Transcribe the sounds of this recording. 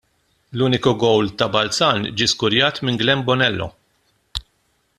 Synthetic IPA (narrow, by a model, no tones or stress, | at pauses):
luːnɪkuɡɔwlt̪ɐbɐlt͡sɐːnd͡ʒiskʊɾjɐːt̪mɪŋɡlɛmbɔnɛlːɔ̰